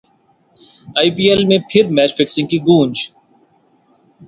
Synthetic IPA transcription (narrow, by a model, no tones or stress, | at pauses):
aːipiːelmẽpʰɪɾmɛːt͡ʃfɪksɪ̃ŋɡ̚kiɡũːnd͡ʒ